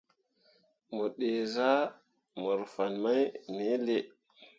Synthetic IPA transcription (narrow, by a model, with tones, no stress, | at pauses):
mo˨ɗe˨za˦ | mo˨ɾfa˨nma˦jme˦le˨